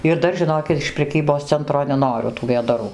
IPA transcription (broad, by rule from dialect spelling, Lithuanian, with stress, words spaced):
ɪr ˈdɐr ʒʲɪˈnoːkʲɪt ɪʃ pʲrʲɛˈkʲiːboːs ˈt͡sʲɛntroː nʲɛˈnoːrʲʊ tuː ʋʲeːdɐˈruː